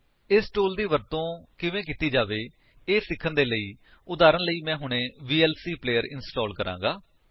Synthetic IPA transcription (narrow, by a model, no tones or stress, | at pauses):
ɪsʈoːld̪iːʋəɾt̪õːkɪʋẽːk̬ɪt̪iːd͡ʒaːʋeː | eːsɪkʰənd̪eːləiː | ʊd̪aːɾəɳləiːmɛ̃ːɦʊɳẽːʋiːɛːlsiːpleːəɾɪ̰nsʈɔːlkəɾã̰ːŋɡaː